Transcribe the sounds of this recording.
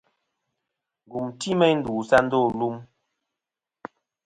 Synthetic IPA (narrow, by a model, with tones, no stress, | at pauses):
ŋ˨ɡu˨mti˦mɛ˦n̩˦du˨sa˦n̩˦do˦˨lu˦m